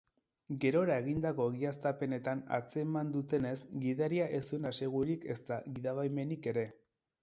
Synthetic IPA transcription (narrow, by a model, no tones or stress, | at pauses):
ɡe̞ɾo̞ɾae̞ɣind̪ako̞ɣiast̪ape̞ne̞t̪ana̰t͡se̞mand̪ut̪e̞ne̞sɡiðaɾiaʔesuenase̞ɣ̞uɾike̞st̪aɣiðaβajme̞nike̞ɾe̞